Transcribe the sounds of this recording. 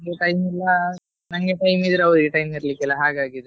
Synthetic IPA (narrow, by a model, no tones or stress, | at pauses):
ŋɡeʈɐjmilːɐ | nɐŋɡeʈɐjmid̪ɾeɐʋɾiɡeʈɐjmiɾlikːɛlːɐɦaːɡaːɡid̪e